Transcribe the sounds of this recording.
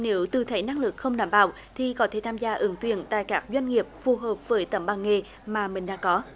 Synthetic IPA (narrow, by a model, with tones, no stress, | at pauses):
ne˨˦wt̪ɨ˨˩t̪ʰə˨˦jna˧ŋlɨ˨˩k̚xə˧wŋ͡mɗaː˧˩mɓa̰ː˧˨w | t̪ʰi˨˩kɔ˨˦t̪ʰe˧˩t̪ʰaː˧mzaː˧ʔɨ˨˦ŋt̪wḭ˧˨ənt̪a̰ː˧˨jkaː˦˥k̚zwa˧jŋ̟ŋi˨˩əp̚fu˨˩ɦəː˨˩p̚vəː˨˦jt̪ə˧˩mɓaː˨˩ŋŋe˨˩ | maː˨˩mï˨˩ŋ̟ɗa̰ː˧˥kɔ˨˦